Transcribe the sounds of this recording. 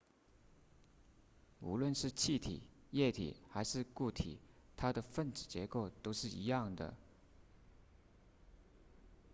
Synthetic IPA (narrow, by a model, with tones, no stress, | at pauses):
ṵ˧˥lwə˥˧nʂɻ̩˥˧t͡ɕʰi˥˩t̪ʰḭ˨˩˦jɛ˥˩t̪ʰḭ˨˩xa˧˥ɪʂɻ̩˥˧ku˥˩t̪ʰḭ˨˩˦ | t̪ʰa˥d̪ə˨fə˥˩nʈ͡ʂɻ̩˨˩t͡ɕjɛ˧˥ko˥˩ʊt̪o˥ʊʂɻ̩˥˩i˧˥jɑ˥˩ŋd̪ə̰˩